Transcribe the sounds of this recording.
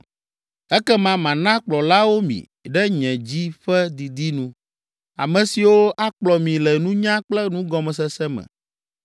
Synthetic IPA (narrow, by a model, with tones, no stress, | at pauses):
ɛ˦kɛ˦mã˨mã˨nã˦k͡plɔ˨la˦wo˦mḭ̃˨ | ɖɛ˦ɲɛ̃˨d͡ʑi˦ɸɛ˦d̪i˨d̪i˦nũ˨˦ | a̰˨mɛ̃˨si˨wo˦ʔa˦k͡plɔ˨mĩ˨lɛ˨nũ˦ɲã˦k͡plɛ˦nũ˦ɡɔ˦mɛ̃˨s̬ɛ˦sɛ˦mɛ̰̃˨